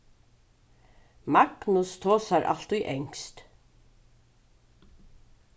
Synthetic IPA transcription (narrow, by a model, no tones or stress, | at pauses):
maɡnʊst̪ʰoːsaɾʔa̰lt̪ʊjʔɛŋst̪